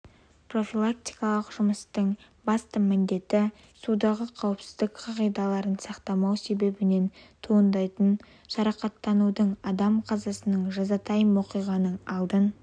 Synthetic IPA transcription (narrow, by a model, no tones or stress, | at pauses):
pro̞fʲilˠak̚t̪ʲijkɑlˠəqʒʊməst̪əɴ | bɑst̪əmɪnd̪e̞t̪ɪ | sud̪ɑʁəqʰɑwəpsɪ̥zd̪ɪkqʰɑʁijd̪ɑlˠɑɾənsɑqt̪ɑmɑwse̞be̞bɪne̞nt̪ʰoənd̪ɑjt̪ən | ʃɑɾɑqɑt̪ːɑnud̪əɴɑd̪ɑmqʰɑzɑsənəɴʒɑzɑt̪ʰɑjəmwo̞qijʁɑnəɴɑlˠd̪ən